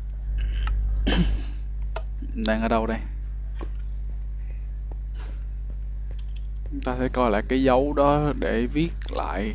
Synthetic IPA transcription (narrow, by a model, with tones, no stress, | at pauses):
ɗaː˧ŋʔəː˧˩ɗə˧wɗə˧j | ŋ͡mt̪aː˧˩sɛ̰˧˥kɔ˧jla̰ː˧˨jkaː˨˦jzə˨˦wɗɔ˨˦ɗe˧˩vi˦˥ət̚la̰ː˧˨j